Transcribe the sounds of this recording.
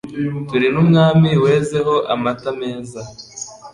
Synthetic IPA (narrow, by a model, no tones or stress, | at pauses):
tuɾinumŋaːmiwe̞ːze̞ɦo̞ʔamatame̞ːza